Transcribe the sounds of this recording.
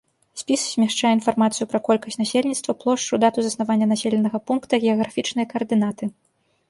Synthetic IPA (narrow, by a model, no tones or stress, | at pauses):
sʲpʲisz̥ʲmʲɛʂt͡ʂajɛin̪farmat̪sɨjupɾɐkɔlʲkɐsʲnasʲelʲnʲit̪st̪vɐplˠɔʂt͡ʂud̪at̪uzɐsnavanʲːɐnasʲelʲɛnɐɣɐpunkt̪ɐɣʲɛɐɣɾafʲit͡ʂnɨjɐkɐːrd̪ɨnat̪ɨ